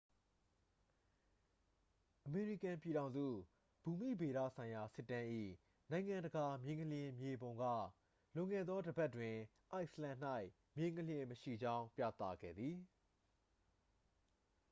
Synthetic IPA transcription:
ʔəme˨ɹi˦˨kã˨mpji˨ɾã˨ʊ̃nzṵ˦˨ | b̥u˨mḭ˦˨be˨ɾä̰˦˨sʰã˨ɪ̃ja˨sɪ˦tːã˦ʔḭ˦˨ | nã˨ɪ̃ŋã˨ndəɡa˨mjẽ˨ŋkəljɪ̃˨mje˨bõ˨ʊ̃ŋɡä̰˦˨ | lʊ̃˨ŋɛ̰˦˨d̪ðɔ˦dəba˦tːwɪ̃˨ | ʔa˦ɪʔsəlã˨n̥a˦ɪ | mjẽ˨˦ŋkʰəljɪ̃˨məʃḭ˦˨d͡ʑã˦ʊ̃pjä̰˦˨t̪ä̰˦˨ɡɛ̰˦˨d̪ði˨

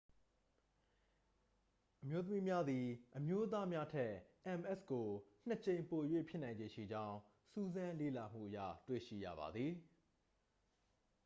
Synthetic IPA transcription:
ʔəmjo˦t̪̬ə˦mi˦mja˦d̪i˨ʔəmjo˦ʔət̪̬a˦mja˦tʰɛ˦˨ʔɛ̃˨mʔɛ˦sko˨n̥ə˨t͡ɕẽ˨ɪ̃mpo˨jwḛ˦˨pʰjɪ˦nã˨ɪ̃ɲd͡ʑe˨ʃḭ˦˨d͡ʑã˦ʊ̃ | su˦zã˦lḛ˦˨la˨m̥ṵ˦˨ʔəjä̰˦˨twḛ˦˨ʃḭ˦˨jä̰˦˨ba̰˨d̪ði˨

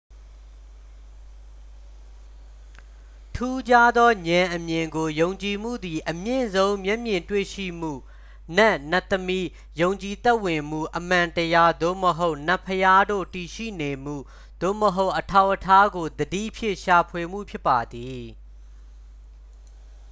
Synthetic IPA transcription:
tʰu˦d͡ʑa˦d̪ɔ˦ɲã˨ʔəmjɪ̃˨ŋɡo˨jõ˨ʊ̃ɲt͡ɕi˨m̥ṵ˦˨d̪i˨ʔəmjɪ̃˦˨zõ˦ʊ̃mjɛ˦ʔmjɪ̃˨ntwḛ˦˨ʃḭ˦˨m̥ṵ˦˨ | nɛ˦˨na˦˨t̪əmi˦ | jõ˨ʊ̃ɲt͡ɕi˨t̪ɛ˦ʔwɪ̃˨m̥ṵ˦˨ʔəm̥ã˨ntəja˦d̪o̰˦˨məɦo˦ʊʔn̥a˦pʰːəja˦do̰˦˨ti˨ʃḭ˦˨ne˨m̥ṵ˦˨ | d̪̥o̰˦˨məɦo˦ʊʔətʰa˦˨ʊʔətʰa˦ɡo˨d̪ədḭ˦˨ʔpʰjɪ̰̃˦˨ʃa˨pʰwe˨m̥ṵ˦˨pʰjɪ˦pːa˨d̪i˨

